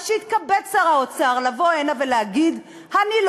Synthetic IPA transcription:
ʃeit̪̚kabet͡saʁaot͡saʁlavo̞enave̞leaɡid̪ | hanil

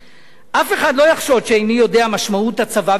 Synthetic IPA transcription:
ʔafeχadlo̞jaχʃo̞vʃeajnijo̞de̞amaʃmauthat͡sava

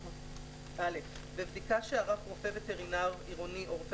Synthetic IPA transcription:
alef | bevd̪ikaʃeaʁafʁofe̞vet̪eʁinaʁiʁoniʔoʁfe

